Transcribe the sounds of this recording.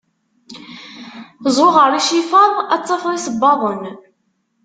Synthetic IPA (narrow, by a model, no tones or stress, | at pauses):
zˤʊʁəɾˤiʃifɑðˤæt͡sːɑfɾˤisəbːɑðˤən